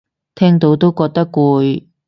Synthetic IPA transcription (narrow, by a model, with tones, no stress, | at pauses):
t̪ʰɛː˥ŋt̪o˨˥wt̪o˥wkɔː˧k̚t̪ɐ˥kːuː˨˧j